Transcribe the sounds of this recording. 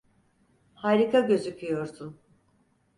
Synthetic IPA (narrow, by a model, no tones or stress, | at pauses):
haːɾikʰaɟø̞zycʲʰyjo̞ɾsun